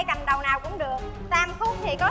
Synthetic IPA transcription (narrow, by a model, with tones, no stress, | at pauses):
jkə˨˩mɗə˨˩wnaː˨˩wkʊ̰˧˥ŋ͡mɗɨ˨˩ək̚t̪aː˧mxʊ˦˥k͡p̚t̪ʰi˨˩kɔ˨˦